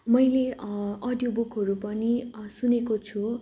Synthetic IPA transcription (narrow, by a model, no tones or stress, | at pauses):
mʌjleʌd̪jobukʰɦʌɾupʌnisunekot͡sʰu